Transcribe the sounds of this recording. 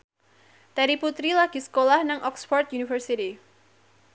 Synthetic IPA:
t̪ɛɾiput̪ɾilaɡ̥isə̥kolahnaŋʔɔksfɔrt̪̚junifərsit̪i

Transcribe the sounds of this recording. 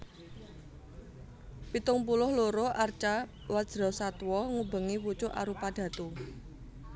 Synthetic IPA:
pit̪ʊŋpulʊhloɾoʔart͡ʃa | wḁd͡ʒ̥ɾɔ̤sat̪wɔŋubə̤ŋiwut͡ʃʊʔa̰ɾupaɖ̥a̤t̪u

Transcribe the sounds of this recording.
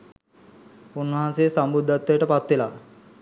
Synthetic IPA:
unːɐɦansesambud̪ʱːat̪ːəjəʈəpat̪ʋela

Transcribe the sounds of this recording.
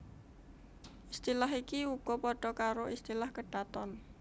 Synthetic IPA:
ʔist̪ilaɦikiuɡ̥ɔ̤pɔɖ̥ɔ̤kaɾoʔist̪ilahkəɖ̥at̪ɔn

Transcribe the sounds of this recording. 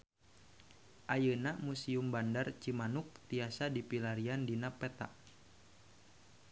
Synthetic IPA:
ʔajənamusiumbandart͡ʃimanuk̚t̪iasadipilaɾiandinapɛt̪a̰ʔ

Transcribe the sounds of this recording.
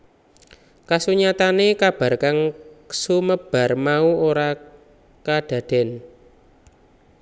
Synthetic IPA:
kasuɲat̪anekab̥a̤rkaŋsuməb̥a̤rmauoɾa | kad̪̥ä̤d̪̥ɛ̤n

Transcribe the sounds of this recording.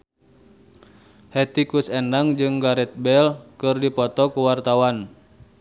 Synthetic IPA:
hɛt̪ikusɛndaŋd͡ʒɨŋɡaɾɛt̪̚bɛlkɨrdipɔt̪ɔkuwart̪awan

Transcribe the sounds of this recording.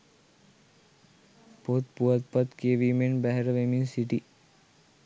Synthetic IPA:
pot̪̚puat̪pat̪keʋimenbæɦɛɾəʋeminsiʈi

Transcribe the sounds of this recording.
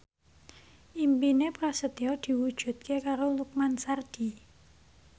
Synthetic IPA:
ʔimpinepɾasət̪iɔd̪̥i̤wud̥ʒ̥ṳt̪̚kekaɾoluk̚mansard̪̥i̤

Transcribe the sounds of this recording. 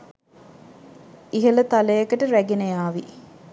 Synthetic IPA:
iɦələt̪aləjəkəʈəɾæɡenəjaːʋi

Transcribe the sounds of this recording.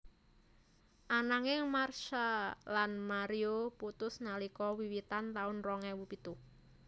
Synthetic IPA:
ʔanaŋɪŋmarʃalanmaɾioput̪ʊsnalikɔwiwit̪ant̪aʊnrɔŋɛwupit̪u

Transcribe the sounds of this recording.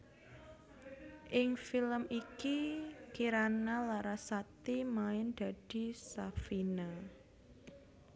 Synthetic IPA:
ʔɪŋfiləmikikiɾanalaɾasat̪imaɪnd̪̥a̤d̥i̤safina

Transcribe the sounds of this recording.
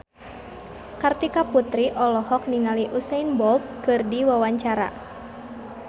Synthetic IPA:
kart̪ikaput̪ɾiʔɔlɔhɔk̚niŋaliʔusɛinbɔlt̪̚kɨrdiwawaɲt͡ʃaɾa̰

